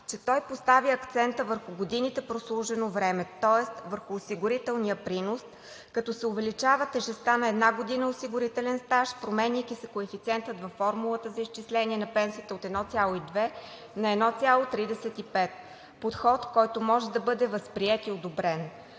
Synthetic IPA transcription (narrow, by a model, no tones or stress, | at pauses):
t͡ʃɛt̪ɔjpost̪aviɐkt̪sɛnt̪əvəɾxʊɡod̪init̪ɛpɾoslˠuʒɛnovɾɛmɛt̪ɔɛst̪vəɾxʊːsiɡʊɾit̪ɛlˠnijəpɾinos | kɐt̪ɔsɛʊvɛlit͡ʃavət̪ɛʒɛst̪anɐɛd̪naɡod̪inəosiɡʊɾit̪ɛlɛnst̪aʃpɾomɛnijkisɛkoɛfit̪siɛnt̪ət̪vɐfːɔɾmulˠət̪əzɐist͡ʃislɛniɛnɐpɛnsiət̪əot̪ɛd̪nɔt̪sʲjalˠoid̪vɛ | nɐɛd̪nɔt̪sʲjalˠot̪ɾid̪ɛsɛt̪ipɛt̪ | pot̪xɔt̪kɔjt̪omɔʒɛd̪ɐbɤd̪ɛvəspɾiɛt̪iod̪obɾɛn